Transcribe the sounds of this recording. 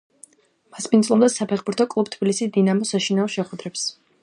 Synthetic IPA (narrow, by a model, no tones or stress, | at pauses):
maspʰʼinzlˠɔmd̪asapʰɛχbuɾt̪ʰɔkʼlˠub̚t̪ʰb̥ilisisd̪inamɔsaʃinaɔʃɛχwɛd̪ɾɛps